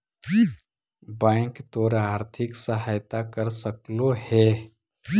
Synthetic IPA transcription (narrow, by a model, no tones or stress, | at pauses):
bãɪŋkt̪oːɾaːɾt̪ʰɪksəɦajt̪akəɾsəklohɛ